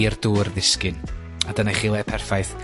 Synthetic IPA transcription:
ərduːrðɪskɪn | adənajχiːlˠɛpʰɛrfajθ

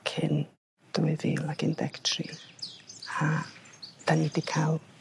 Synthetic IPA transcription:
kʰɪn | d̥uɨðḭlakʰɪndɛ̰ktʰri | a | d̥anidikʰalˠ

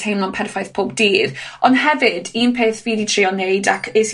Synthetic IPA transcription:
ejmlɔnpʰɛrfajθpʰoːbdiːrɔnɦɛvɪdiːnpʰeːθviːditʰriːɔneɨdakʰes

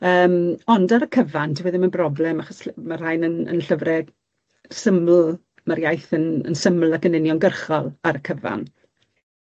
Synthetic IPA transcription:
əːmɔndaɾəkʰəvandʰiwəðɪmənbrɔblɛmaχɔsmar̥ajnənə̰nɬəvrɛɡ | səml̩ | maɾjajθənə̰nsəml̩ˠakʰənɪnjɔnɡərχɔlˠaɾəkʰəva̰n

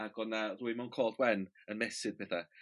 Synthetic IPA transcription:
aɡɔnaruːɨmankʰɔːlˠdɡwɛn | ənmɛsɪd̚bɛθa

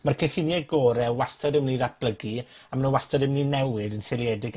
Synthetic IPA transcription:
markʰəhɪnjɛɡɔːɾɛwastɔdɪmniːðat̚b̥lˠəɡi | amanuwastɔdɪmninːɛwɪðənselˠjɛdɪɡ

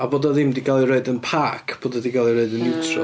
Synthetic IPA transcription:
aboːdaðɪmdiɡalˠireɨdənpʰaːkʰb̥oːdadiɡalˠireɨdənɪwtʰrɔ̰

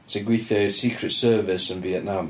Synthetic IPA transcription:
ɪsəɡɹiθəʊsiˑkʰɹətsɜːvɪsɪ̃nviɛʔⁿnãm

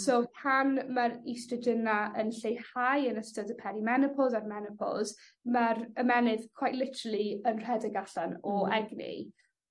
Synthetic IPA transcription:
sopʰanmaɾistədənaənɬejhajənəstədəpʰɛɾimɛnɪpʰɔlˠzarmɛnəpʰɔ̰lˠz | maɾəmɛnɪð̥kʰwajʔlɪtʰəɾəlˠiənr̥ɛdəɡaɬanɔɛɡnɪ̰

